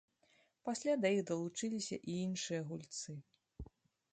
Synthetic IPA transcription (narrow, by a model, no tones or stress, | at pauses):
pasʲlʲad̪ɐjiɣd̪ɐlˠut͡ʂɨlʲisʲɐ̰ʔiinʂɨjɐɣulʲt̪sɨ